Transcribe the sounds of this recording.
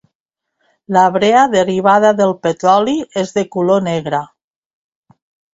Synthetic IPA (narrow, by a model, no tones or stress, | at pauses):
laβɾeaðeriβ̞að̞aðelˠpet̪ɾɔliezðekuloneɣɾa